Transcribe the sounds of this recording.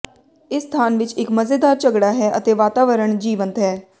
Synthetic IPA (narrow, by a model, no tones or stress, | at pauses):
ɪsːt̪ʰaːnʋɪt͡ʃɪkməzeːd̪aːɾt͡ʃəɡɽaːɦɛːʔət̪eːʋaːt̪aːʋəɾəɳd͡ʒiːʋənt̪ɦɛː